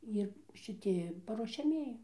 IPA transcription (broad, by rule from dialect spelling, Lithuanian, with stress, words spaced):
ˈɪr ʃʲɪˈtʲɪ pɐruɔʃʲɛˈmʲiɛjɪ